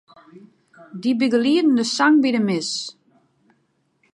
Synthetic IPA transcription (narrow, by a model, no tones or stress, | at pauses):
dibiɡəliədn̩dəsaŋbidəmɪs